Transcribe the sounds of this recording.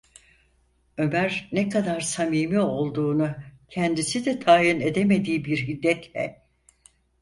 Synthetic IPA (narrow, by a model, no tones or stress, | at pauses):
ø̞mæɾnɛkad̪aɾsamiːmio̞lˠd̪uːnucʰɛnd̪isid̪ɛt̪ʰaːjine̞d̪eme̞d̪iːbiɾɦid̪ːɛt̪lʲɛ̰